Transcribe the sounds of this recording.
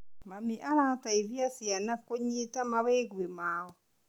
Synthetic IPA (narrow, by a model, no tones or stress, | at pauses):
mamiʔaɾataiðjasjanakoɲitamawɛɣwemaɔ